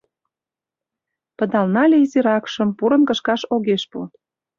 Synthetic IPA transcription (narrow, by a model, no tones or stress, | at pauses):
pə̆d̪ɑlnɑlʲeiziɾɑkʃə̆mpuɾə̆nkə̆ʃkɑʃoɣeʃpṵ